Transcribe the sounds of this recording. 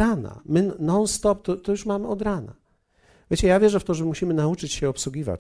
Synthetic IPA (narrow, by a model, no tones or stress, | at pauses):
ana̰mɘnɔnst̪ɔp̚t̪ɔt̪ɔjuʂmamɘɔd̪ɾana̰ | vʲjet͡ɕɛjavʲjɛʐɛft̪ɔʐɛmuɕimɘnaut͡ʂɘt͡ɕɕɛɔpswuɡʲiva̰t͡ɕ